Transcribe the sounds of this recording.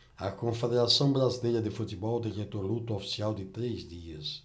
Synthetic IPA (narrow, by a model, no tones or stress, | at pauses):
ɐkõfed̪eɾasɐ̃w̃bɾazilejɾɐd̪ɪfut̪ibɔwd̪iket̪oɾlut̪uofi̥siawd̪ɪt̪ɾezd̪iɐs